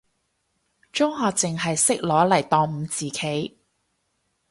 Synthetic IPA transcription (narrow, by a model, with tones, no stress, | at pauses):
t͡ʃɔː˥ŋɦaː˧t͡sɪ˨ŋɦɐ˨jsɪ˥k̚lɔː˨˥lɐ˨˩jt̪ɔː˨ŋm̩˨˧˦t͡siː˨kʰe˨˥j